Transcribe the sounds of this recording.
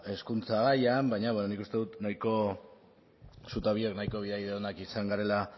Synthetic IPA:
e̞skunt͡saɣajambajɲaβwenonikust̪e̞ðut̪najko̞ | sut̪aβieknajko̞βiðajðeonakisaŋɡaɾe̞la

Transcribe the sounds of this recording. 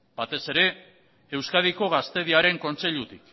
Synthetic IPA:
bat̪e̞se̞ɾe̞ | ewskaðiko̞ɣ̞ast̪e̞ð̞iaɾe̞ŋko̞nt͡se̞ʎut̪ik

